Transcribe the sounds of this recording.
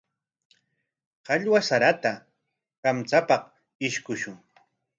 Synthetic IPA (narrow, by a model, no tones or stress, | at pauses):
hɑʎwasaɾat̪a | ɢamt͡sapɑq | ɪʃkʊʃʊŋ